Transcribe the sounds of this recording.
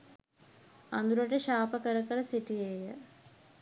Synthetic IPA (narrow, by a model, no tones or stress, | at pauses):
ɐnd̪uɾɐʈeʃaːpəkɐɾɐkɐɾɐsiʈijeːjə